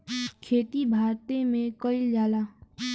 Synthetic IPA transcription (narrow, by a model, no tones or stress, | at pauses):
kʰeːt̪ibʱaːɾt̪emẽkəɪld͡ʒaːlaː